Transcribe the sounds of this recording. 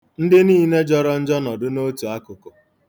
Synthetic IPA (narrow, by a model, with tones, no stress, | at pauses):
n̩˦dɪ˦niː˦ne˦d͡ʒɔ˦ɾɔ˦n̩˦d͡ʒɔ˦nɔ˨dʊ˦no˦tu˨a˦kʊ˨kʊ˨